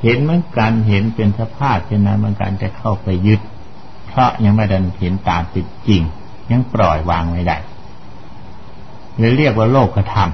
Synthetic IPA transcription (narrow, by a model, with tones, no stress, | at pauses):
he˨˦nmɯ˧˥ə˨ŋka˧nɦe˨˦npe˧nsa˧pʰaː˥˩p̚t͡ɕʰe˧˨nːa˧˥˩mɯ˧˥ə˨ŋka̰˧nt͡ɕa˧˩kʰa˧˩wpa˨jːɯ˦˥t̪̚ | pʰɾɔ˦˥ʔɲa˧ŋma˧˩da˧˩nhe˨˦nt̪aː˨nt̪i˨˧˩t̪̚t͡ɕi˨˧ŋ | ɲa˧˥ŋpɾɔː˨˩jwaː˧ŋma˧˩jda̰˧˩j | lɯː˧˦ɾi˥˩ək̚waː˥˧˩loː˥˩kːa˧˩t̪ʰa˧m